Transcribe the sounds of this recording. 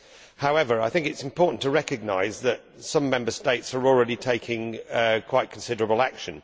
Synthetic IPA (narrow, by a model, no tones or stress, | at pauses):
haʊɛvəɹaɪθɪ̃ŋkɪtsɪ̃mpʰɔˑɹʔn̩tʰəɹɛkəɡ̚naɪzðət̚ | sʌ̃mːɛ̃mbəsteɪtsəɹɔlˠɹɛɾitʰeɪkʰɪ̃ŋkʰw̥aɪʔkʰə̃nsɪdəɹəbəlˠakʃə̃n